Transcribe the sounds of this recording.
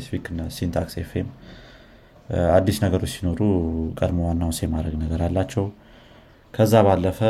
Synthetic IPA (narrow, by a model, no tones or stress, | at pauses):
sfikɨnːsint̪ʰaksefem | ad̪ːisnəɡəɾo̞t͡ʃːsino̞ɾukʼəd̪mowanːawnsemad̪ɾəɡnəɡəɾalːat͡ʃːɛw | kʰəzːaβalːəfə